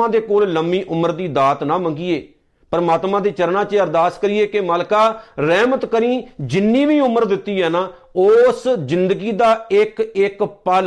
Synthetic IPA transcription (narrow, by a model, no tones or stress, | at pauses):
ãːd̪eːkoːlləmːiːʔʊməɾd̪iːd̪aːt̪nãːməŋɡiːeː | pəɾəmaːt̪mãːd̪eːt͡ʃəɾnãːt͡ʃəɾd̪aːskəɾiːeːkemaːlkaːɾɛːmət̪kəɾĩːd͡ʒɪnːĩːʋiːʊməɾd̪ɪt̪ːiːɦɛːnaː | ʊszɪnd̪əɡiːd̪aːɪkɪkpaːl